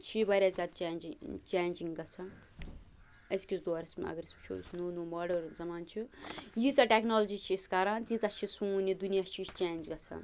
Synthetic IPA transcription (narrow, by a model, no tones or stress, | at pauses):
t͡ʃʰibɐɾʲaːzʲad̪̚t͡ʃaːnd͡ʒit͡ʃaːnd͡ʒiŋɡɐt͡sʰɐ | ɐskʲisd̪oɐɾɐsma̰ɡɾist͡ʃʰṵsʰnoːnomɐɖɐɾzɐmaːnt͡ʃʰujit͡sɐʈeknoːlɐd͡ʒit͡ʃʰiːskaɾant̪it͡sɐt͡ʃʰisũnid̪unijat͡ʃʰit͡ʃʰt͡ʃaːnd͡ʒɡɐt͡sʰɐ̰̃